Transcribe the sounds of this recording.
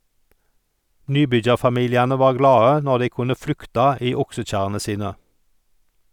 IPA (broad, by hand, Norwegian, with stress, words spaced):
ˈnyːˌbʏd͡ʒɑʁfɑˌmiːljɑnə ˈʋɑːʁ ˈɡlɑːə ˈnɔʁ ˈdæɪ ˈkʊnə ˈflʉktɑ ˈiː ˈʊksəˌc͡çæʁənə ˈsiːnə